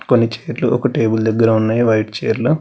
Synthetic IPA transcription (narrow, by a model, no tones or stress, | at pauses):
konːit͡ʃeːɾluʔɔkɐʈe̞ːbuld̪ɐɡːɐɾɐunːaːjoʋɐjʈt͡ʃḛːɾlu